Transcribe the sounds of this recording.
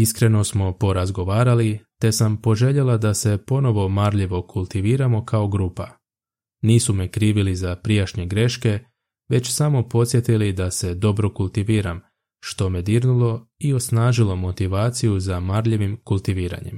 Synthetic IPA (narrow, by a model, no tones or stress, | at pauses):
iskɾe̞no̞smo̞po̞ɾazɡo̞ʋaːɾalit̪e̞sampo̞ʒe̞ʎe̞lad̪ase̞po̞no̞ʋo̞maɾʎeʋo̞kʰulˠt̪iʋiːɾamo̞kʰao̞ɡɾuːpa | niːsume̞kɾiːʋilizapɾijaʃɲeɡɾe̞ʃke̞ | ʋe̞t͡ɕsamo̞po̞t̪sje̞t̪ilid̪ase̞d̪o̞bɾo̞kulˠt̪iʋiːɾam | ʃt̪o̞med̪iɾnulo̞io̞snaːʒilo̞mo̞t̪iʋaːt̪sijuzamaɾʎeʋimkulˠt̪iʋiːɾa̰ɲḛm